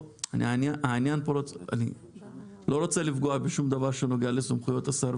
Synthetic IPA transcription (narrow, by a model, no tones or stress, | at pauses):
anḭanjaʔainjanpoɾoa̰nḭ | lo̞ɾo̞t͡selifɡoabeʃumd̪avaʁʃeno̞ɡealesomχujo̞t̪asaɾ